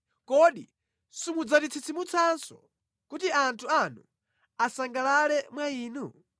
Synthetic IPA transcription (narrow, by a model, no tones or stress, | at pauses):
kɔɗḭ | sumud͡zatit͡sʰit͡sʰimut͡sʰansɔ̰ | kutiantʰuanu | asaŋɡalalɛmwaiːnu